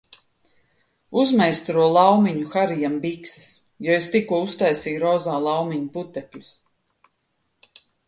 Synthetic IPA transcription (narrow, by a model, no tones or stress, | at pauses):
uzmɛjst̪ɾuɔlˠawmiɲuxaɾijambiksḁs | jɔest̪ikuɔust̪ajsiːjɾɔːzaːlˠawmiɲuput̪ɛklʲu̥s